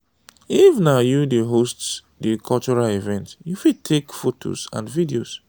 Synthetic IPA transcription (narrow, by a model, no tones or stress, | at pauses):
ifnajudiɦosts | dikʰɔlt͡ʃuɹalivɛ̃ntjufid̚tʰekfotʰo̰sã̰nvidios